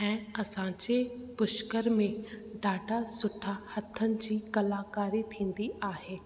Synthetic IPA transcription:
ɛ̃ːɐsãːɲd͡ʑepʊʃkəɾmẽɖaːɖasʊʈʰahɐt̪ʰənɪ̆d͡ʑiːkɐlaːkaːɾit̪ʰĩːn̆d̪iʔaːɦeː

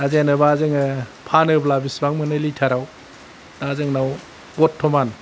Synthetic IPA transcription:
azenɯbazɯŋɯpʰanɯblabisbaŋmɯnɯlitʰaɾaw | d̥azɯŋnaw | ɡɔtʰːɔman

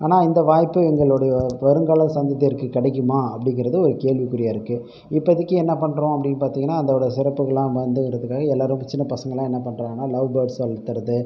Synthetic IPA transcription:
aːnaːɪnd̪ɐʋaːjpːɯɛŋɡɐɭɔɽɐjɐʋɐɾɯŋɡaːɭɐ̃nsɐnd̪ɐt̪ːɐɪɾɯkːɯkːɪɽɛk̬ːɯmaːɐpːɐɽɪŋɡɪɾɐðɯɔɾɯkeːɭʋikːʊɾɪjaːɪɾɯkːɯ | ɪpːɐɐðɯkːɯɛnːɐpɐɳːɾõːɐpːɐɽɪnːɐpaːɾt̪iːŋɡɐnːaːɐnd̪ɐɽɐsɪɾɐpːɯɣɐɭlãːʋɐnd̪ɯɾɐðɯkːaːɣɐɛlːaːɾɯ̃mpɛt͡ʃːɪnːɐpɐsɐŋɡɐɭlãːɛnːɐpɐɳːɾãːŋɡɐnːaːlɐʋbɐɾɖssɐlt̪ːɯɾɐðɯ

